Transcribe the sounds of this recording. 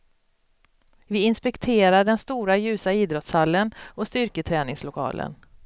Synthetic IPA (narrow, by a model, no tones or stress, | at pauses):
vɪɪnspɛkt̪ʰeːɾaɖɛnst̪uːɾajʉ̟ːsaiːd̪ɾɔt̪shalːənɔst̪ʏɾkət̪ʰɾɛːnɪŋslʊkʰɑ̰ːlʔə̰n